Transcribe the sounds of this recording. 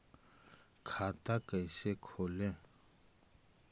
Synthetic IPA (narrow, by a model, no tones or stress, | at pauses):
kʰaːt̪akəɪsekʰoːlẽː